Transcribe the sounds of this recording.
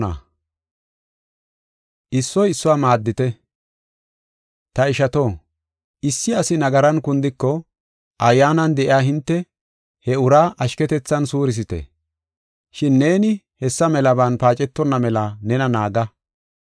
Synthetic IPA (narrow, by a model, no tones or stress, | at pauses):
ɐ̰ | ʔɪsːɔjɪsːʊwaːmaːd̪ːɪt̪ɛ | t̪ɐɪʃɐt̪o̞ː | ʔɪsːɪɐsɪnɐɡɐɾɐnkʊnd̪ɪkːɔ | ʔɐjːaːnɐnd̪ɛʔɪaːɦɪnt̪ːɛ | hɛʊɾaːʔɐʃkɛt̪ɛt͡sːɐnsuːɾɪs̬ɪt̪ɛ̰ | ʃɪnːe̞ːnɪ | hɛsːɐmɛlɐbɐnpaːt͡ʃʼɛt̪ːɔnːɐmɛlɐnɛnɐnaːɡɐ